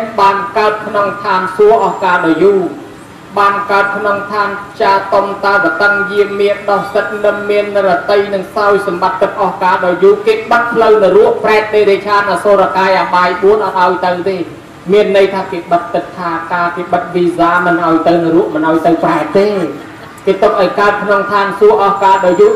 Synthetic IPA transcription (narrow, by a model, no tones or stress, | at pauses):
ɓaːnkaət̪̚kʰnoŋt̪ʰaːmsuəʔɑhkaːɗɑjuː | ɓaːnkaət̪̚kʰnoŋt̪ʰaːmpʰt͡ɕaːt̪omt̪akət̪əŋjiəmːiənɗɑhsət̪̚nɨmːiənːɾɔt̪əjnɨŋsaɔjsɑmɓat̪ːɨk̚ʔɑhkaːɗaɔjjuːkeːkɓət̪̚pʰləwnɨɾuəʔpraɛk̪̚ɗ̪eːɾeːt͡ɕʰaːnaːsoːɾakaːjʔaɓaːjɓuənʔɔt̪̚ʔaɔjt̪əwt̪eː | miənːəjt̪ʰaːkeːɓət̪̚ːɨt̪̚t̪ʰːaːkaːkeːɓət̪̚ʋiːsaːmɨnʔaɔjt̪ɨwnɨruəʔmɨnʔaɔjt̪əwpraɛk̚t̪eː | keːt̪ɨ̆əp̚ʔaɔjkaət̪̚kʰnoŋt̪ʰaːnsuəʔɑhkaːɗaɔjjuː